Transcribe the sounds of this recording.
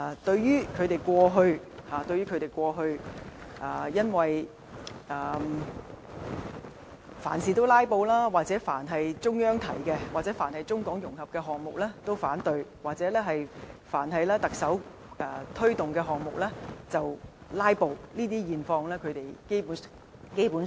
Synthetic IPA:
a˨t̪ɵ˧ɥjyː˥kʰɵ˨˧t̪e˨jkʷɔː˧ɦɵ˧ɥ | haː˨˩t̪ɵ˧ɥyː˥kʰɵ˨˧t̪e˨jkʷwɔː˧ɦɵ˧ɥʔɐː˨˩jɐ˥nwɐ˨j | ʔɐː˨˩ | fa̰ː˨˩nsiː˨t̪o˥wlaː˥jpo˧wlaː˥waː˨k̚t͡sɛː˨˥fa̰ː˨˩nɦɐ˨jt͡sʊ˥ŋjœː˥ŋt̪ʰɐ̰˨˩jkɛː˧waː˨k̚t͡sɛ˨˥faː˨˩nhɐ˨jt͡sʊ˥ŋkɔː˨˥ŋjʊ˨˩ŋɦɐ˨p̚kɛ˧ɦɔː˨ŋ̚mʊ˨k̚lɛː˥t̪o˥wfaː˨˥nt̪ɵ˧ɥwaː˨k̚t͡sɛː˨˥lɛː˥ɦɐ˨jfa̰ː˨˩nɦɐ˨jlɛː˥t̪ɐ˨k̚sɐ˨˥w | ɛː˧t̪ʰɵ˥t̪ʊ˨ŋkɛː˧ɦɔː˨ŋ̚mʊ˨k̚lɛː˥t͡sɐ˨wlaː˥jpo˧wliː˥t̪iː˥jiː˨˩nfɔː˧ŋlɛː˥kʰɵ˨˧t̪e˨˩jke˥jpu˨˥ | ke˥jpuː˨˥n

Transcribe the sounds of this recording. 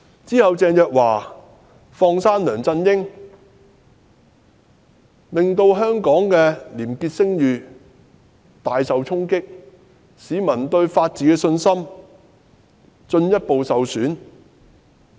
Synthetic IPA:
t͡siː˥hɐ˨wt͡sɛː˨˧njœː˨k̚waː˨˩ | fɔː˧ŋsaː˥nlœː˨˩ŋt͡sɐ˧njɪ˥ŋ | lɪ˨ŋt̪o˧wɦœː˥ŋkɔː˨˥ŋkɛː˧liː˨˩mkiː˧t̚sɪ˥ŋjyː˨ | t̪aː˨jsɐ˨wt͡sʰʊ˥ŋkɪ˥k̚ | siː˨mɐ˨˩nt̪ɵ˧ɥfaː˧t̚t͡siː˨˥kɛː˧sɵ˧nsɐ˥m | t͡ʃɵ˧njɐ˥t̚po˨wsɐ˨wsyː˨˥n

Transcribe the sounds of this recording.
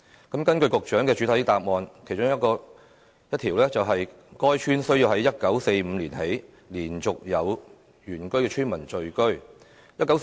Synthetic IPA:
kɐ˨˥mkɐ˥nkɵ˧ɥkʊ˨k̚t͡ʃœː˨˥ŋkɛː˧t͡ʃy˨˥t̪ʰɐ˨˥jt̪aː˧˨p̚ŋɔː˨˧nkʰjt͡ʃʊ˥ŋjɐ˥t̚kɔː˧ | jɐ˥t̪ʰiː˨˩wlɛː˥t͡sɐ˨wɦɐ˨j | kɔː˥jt͡ʃʰyː˥nsɵ˥ɥjiː˧wɦɐ˨˥jːɐ˥t̚kɐ˨˥wse˧jm̩˨˧liː˨˩nhe˨˥j | liː˨˩nt͡sʊ˨k̚jɐ˨˧w | jyː˨˩nkɵ˥ɥkɛː˧t͡ʃʰyː˥nmɐ˨˩nt͡ʃɵ˨˧ɥkɵ˥ɥ | jɐ˥t̚kːɐ˨˥w

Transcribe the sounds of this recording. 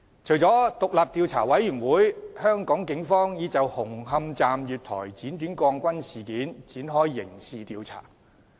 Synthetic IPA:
t͡ʃʰɵ˨˩jt͡sɔː˨˥t̪ʊ˨k̚laː˨p̚t̪iː˧wt͡sʰa̰ː˨˩wɐ˨˥jːyː˨˩nwuː˨˥jhœː˥ŋkɔː˨˥ŋkɪ˨˥ŋfɔː˥ŋjiː˨˧t͡sɐ˨whʊ˨˩ŋɦɐ˧mt͡saː˨mjyː˨t̚t̪ʰɔ̰ː˨˩jt͡siː˨˥nt̪yː˨˥nkɔː˧ŋkʷɐ˥nsiː˨˩kiː˨˥nt͡siː˨˥nɦɔː˥jːɪ̰˨˩ŋsiː˨t̪iː˧wt͡sʰa̰ː˨˩

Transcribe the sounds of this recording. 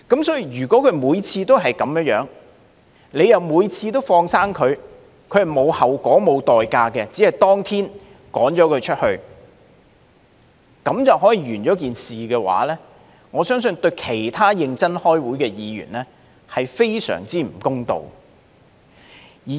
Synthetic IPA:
kɐ˨˥msɔː˨˥ji˧ɥyː˨˩kʷɔː˨˥kʰɵ˧ɥmuː˨˧jt͡sʰiː˧t̪o˥wɦɐ˨jkɐ˨˧mjœː˧˥ŋjœ̰ː˨˥ŋ | ne˨˧jɐ˨wmuː˨˧jt͡sʰiː˧t̪o˥wfɔː˧ŋsaː˥ŋkʰɵ˨˧ɥ | kʰɵ˨˧ɥhɐ˨˩jmo˨˧whɐ˨˩wkʷɔː˨˥mo˨˧wt̪ɔː˨jkaː˧kɛ˧t͡siː˨˥hɐ˨jt̪ɔː˥ŋt̪ʰiː˥n | kɔː˨˥ŋt͡ʃɔː˨˥kʰɵ˨˧ɥt͡ʃʰɵ˥t̚hɵ˧ɥ | kɐ˨˥mt͡sɐ˨wɦɔː˨˥jiː˨˧ɥyː˨˩nt͡ʃɔː˨˥k̬iː˨nsiː˨kɛː˧wa̰ː˨˥lɛː˥ | ŋɔː˨˧sœː˥ŋs̬ɵ˧nt̪ɵ˧ɥkʰe˨˩jt̪ʰaː˥jɪ˧ŋt͡sɐ˥nhɔː˥jwuː˨˥jkɛː˧jiː˨˧ɥy̰ː˨˩nlɛː˥ | hɐ˨jfe˥jsœ̰ː˨˩ŋt͡siː˥m̩˨˩kʊ˥ŋt̪o̰˨˧w | jiː˨

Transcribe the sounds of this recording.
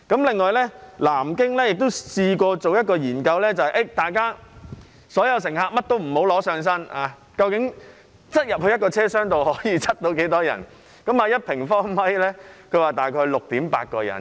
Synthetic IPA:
kɐ˨˥mlɪ˨ŋːɔː˨jlɛː˥laː˨˩mkɪ˥ŋlɛː˥jɪ˨k̚t̪o˥wsiː˧kʷɔː˧t͡so˨wjɐ˥t̚kɔː˧jiː˨˩nkɐ˧wlɛː˥t͡sɐ˨whɐ˨jʔe˥˩jt̪aː˨jkaː˥ | sɔː˨˥jɐ˨˧ws̬ɪ˨˩ŋɦaː˧k̚mɐ˥t̚t̪o˥wm̩˨˩ho˨˥wlɔː˨˥sœː˧ŋs̬ɐ˥naː˨˧ | kɐ˧wkɪ˨˥ŋ | t͡sɐ˥t̚jɐ˨p̚hɵ˧jɐ˥t̚kɔː˧t͡sʰɛː˥sœː˥ŋt̪o˨whɔː˨˥jiː˨˧t͡sʰɐ˥t̚t̪o˧wke˨˥jt̪ɔː˥jɐ̰˨˩n | kɐ˨˥maː˨˧jɐ˥t̚pʰɪ˨˩ŋfɔː˥ŋmɐ˥jlɛː˥kʰɵ˨˧˥waː˨t̪aː˨jkʰɔː˧jlʊ˨k̚t̪iː˨˥mpa̰ː˧t̚kɔː˧jɐ̰˨˩n

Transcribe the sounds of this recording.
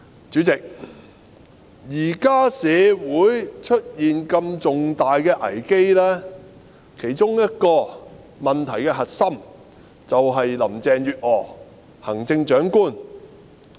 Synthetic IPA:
t͡ʃyː˨˥t͡sɪ˨k̚ | jiː˨˩kaː˥sɛː˨˧wuː˨˥jt͡ʃʰɵ˥t̚jiː˨nkɐ˧mt͡sʊ˨ŋt̪aː˨jkɛː˧ʔɐ̰˨˩jke˥jlɛː˥ | kʰe˨˩jt͡sʊ˥ŋjɐ˥t̚kɔː˧ | mɐ˨nt̪ʰɐ˨˩jkɛː˧ɦɐ˨t̚sɐ˥m | t͡sɐ˨wɦɐ˨jlɐ˨˩mt͡sɛː˨ŋjyː˨t̚ɔː˨˩ | hɐ˨˩ŋt͡sɪ˧ŋt͡ʃœː˨˥ŋkuː˥n

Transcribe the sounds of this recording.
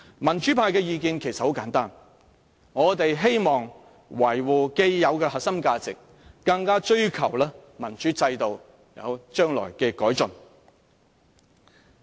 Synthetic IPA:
mɐ˨˩nt͡ʃyː˨˥pʰaː˧jkɛː˧jiː˨˧kiː˧nkʰe˨˩jsɐ˨t̚ho˨˥wkaː˨˥nt̪aː˥n | ŋɔː˨˧t̪e˨jɦe˥jmɔː˨˩ŋ | wɐ˨˩jwuː˨˩ke˧jjɐ˨˧wkɛː˧hɐ˨t̚sɐ˥mkaː˧t͡sɪ̰˨k̚ː | ɐ˧ŋkaː˥t͡ʃɵ˥ɥkʰɐ˨˩wlɛː˥mɐ˨˩nt͡ʃyː˨˥t͡sɐ˧jt̪o˨w | jɐ̰˨˧wt͡ʃœː˥ŋlɔ̰ː˨˩jkɛː˧kɔː˨˥jt͡sɵ˨˩n

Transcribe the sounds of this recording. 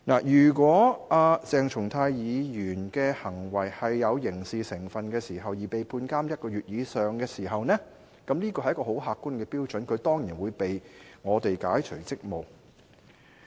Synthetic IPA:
naː˨˩jyː˨˩kʷwɔː˨˥aː˧t͡sɛː˨ŋt͡ʃʰʊ˨˩ŋt̪ʰaː˧jjiː˨˧jyː˨˩nkɛː˧hɐ˨˩ŋwɐ˨˩jhɐ˨jːɐ˨˧wjɪ˨˩ŋsiː˨sɪ˨˩ŋfɐ˨nkɛː˧siː˨˩ɦɐ˨wjiː˨˩pe˨jpʰuː˧nkaː˥mjɐ˥t̚kɔː˧ɥyː˨t̚jiː˨˧sœː˨ŋkɛː˧siː˨˩ɦɐ˨wnɛː˥ | kɐ˨˥mniː˥kɔː˧hjɐ˥kːɔː˧ho˨˥wɦaː˧kːu˥nkɛː˧piː˥wt͡ʃɵ˨˥nkʰɵ˨˧ɥt̪ɔː˥ŋjiː˨˩nwuː˨˧jpe˨jŋɔː˨˧t̪e˨jkaː˨˥jt͡ʃʰɵ˨˩jt͡sɪ˥k̚mo˨w

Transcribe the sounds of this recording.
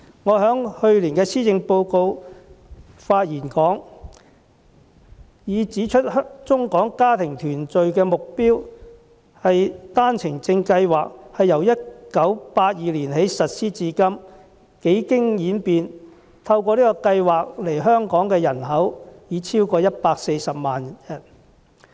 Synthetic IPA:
ŋɔː˨˧ɦœː˨˥ŋhɵ˧ɥliː˨˩nkɛː˧siː˥t͡sɪ˧ŋpo˧wko˧w | faː˧t̚jiː˨˩nkɔː˨˥ŋ | jiː˨˧t͡siː˨˥t͡ʃʰɵ˥t̚ht̚t͡ʃʊ˥ŋkɔː˨˥ŋkaː˥t̪ʰɪ˨˩ŋt̪ʰyː˨˩nt͡sɵ˨ɥkɛː˧mʊ˨k̚piː˥w | hɐ˨jt̪aː˥nt͡sʰɪ˨˩ŋt͡sɪ˧ŋkɐ˧jwaː˨k̚hɐ˨jːɐ˨˩wjɐ˥t̚kɐ˨˥wpaː˧t̚jiː˨liː˨˩nhe˨˥jsɐ˨t̚siː˥t͡siː˧kɐ˥m | ke˨˥jkɪ˥ŋjiː˨˥npiː˨˧n | t̪ʰɐ˧wkɔː˧liː˥kɔː˧kɐ˧jwaː˨k̚le˨˩jɦœː˥ŋkɔː˨˥ŋkɛː˧jɐ˨˩nɦɐ˨˥wjiː˨˧˥t͡sʰiː˥wkɔː˧jɐ˥t̚paː˧k̚se˧jsɐ˨p̚maː˨njɐ˨˩n

